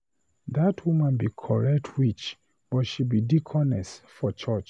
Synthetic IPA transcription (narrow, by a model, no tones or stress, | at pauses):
ðatʰwumãnbikʰɔɹɛk̚tʰwit͡ʃ | b̥ɔtʃibidikʰɔnɛsfɔt͡ʃɜt͡ʃ